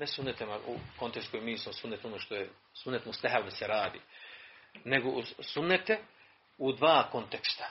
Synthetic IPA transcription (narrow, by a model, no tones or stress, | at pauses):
nesunːet̪emauko̞nt̪eskojimiːsmosunːet̪onoːʃt̪o̞je | sunːet̪must̪aɦald̪aseɾaːd̪ḭː | ne̞ɡosunːet̪e | ud̪ʋaːko̞nt̪ekst̪ḁ